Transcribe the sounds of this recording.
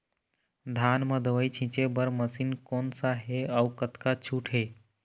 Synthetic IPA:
d̪ʱanməd̪əʋəjt͡ʃʰĩt͡ʃebəɾməsinkoːnsaɦeaukət̪kat͡ʃʰuʈʰɦe

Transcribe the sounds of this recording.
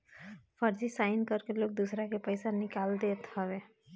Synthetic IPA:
pʰəɾd͡ʒisaɪnkəɾkeloːk̚d̪usɾakepəɪsanɪkald̪et̪həbe

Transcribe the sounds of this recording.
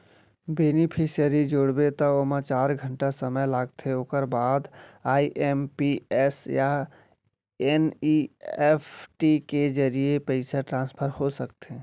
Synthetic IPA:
benipʰisijəɾid͡ʒoɽbet̪ɔomət͡ʃaːɾɡʱəɳʈasəməjlaːɡt̪ʰeoːkəɾbaːd̪aːiʔempiɛsja | eniepʰʈiked͡ʒəɾijepəɪsaʈɾãːnspʰəɾhosəkt̪e

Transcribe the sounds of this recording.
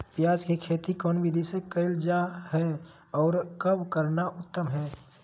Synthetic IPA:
pjaːd͡ʒkekʰeːt̪ikɔːnbid̪ʱisekəɪld͡ʒaɦɛ | ɔːɾkəbkəɾnaʔʊt̪ːəmɦɛː

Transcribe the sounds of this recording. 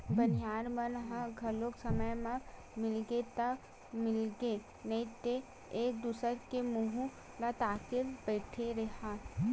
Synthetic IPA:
bənɪjaːɾmənɦãɡʱɐloksəməjmã | mɪlɡet̪ə | mɪlɡe | nəit̪e | eːk̚d̪uːsəɾkemuɦu | lat̪aːkeɾbɛːɪʈʰeɾɐɦa

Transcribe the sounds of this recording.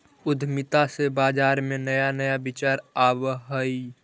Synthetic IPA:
ʊd̪ʱmɪt̪asebaːd͡ʒaːɾmenəjanəjabɪt͡ʃaːɾabɦəi

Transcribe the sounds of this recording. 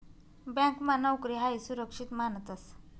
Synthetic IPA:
bjãŋkmanəwkɾiɦajsuɾəkʂit̪manət̪əs

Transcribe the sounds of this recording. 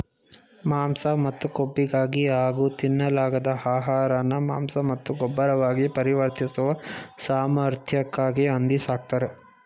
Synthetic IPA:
maːmsɐmɐt̪ːukobːiɡaːɡiaːɡut̪inːɐlaːɡɐd̪ɐaːɦaːɾɐnːɐmaːmsɐmɐt̪ːuɡɔbːɐɾɐʋaːɡipɐɾiʋɐɾt̪isuʋɐsaːmɐɾt̪ʰjɐkːaːɡiɐnd̪isaːk̚t̪ɐɾe

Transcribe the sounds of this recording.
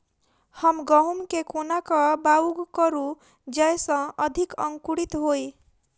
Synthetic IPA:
hʌmɡʌɦumkekonakʌbauɡkʌɾu | d͡ʒʌjsʌ̃ʌd̪ʱikʌŋkuɽit̪ɦoj

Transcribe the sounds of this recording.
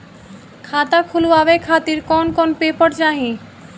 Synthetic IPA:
kʰat̪akʰuluaβekʰat̪iɾkɔnkɔnpepɔʈd͡ʑaɦĩ

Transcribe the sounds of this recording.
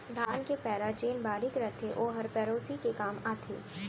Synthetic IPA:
d̪ʱaːnkepɛːɾat͡ʃeːnbaːɾɪkɾɐt̪ʰeʔoːɦɐɾpɛːɾoːsikekaːmaːt̪ʰḛː

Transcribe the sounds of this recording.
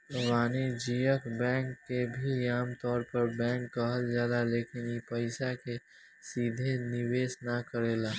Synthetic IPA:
ʋaːned͡ʒiːjəkbɛ̃ːŋkːebʱiaːmt̪ɔːɾpəɾbɛ̃ːŋkːəɦəld͡ʒjaːd̪aleːkɪnipəɪsake | siːd̪ʱenɪʋeːsnakəɾeːlaː

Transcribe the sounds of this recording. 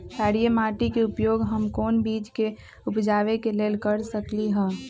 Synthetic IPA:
t͡ʃaːɾijəmaːʈikeʊpjoːɡɦəmkoːnbiːd͡ʒke | upd͡ʒaːʋekeleːlkəɾsəkliɦɛ̃ː

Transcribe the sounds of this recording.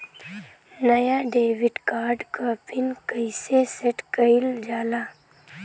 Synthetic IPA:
nɐjaɖeːwiɖkaːɾɖkaːpʰinkəiseseʈkəild͡ʒaːlaː

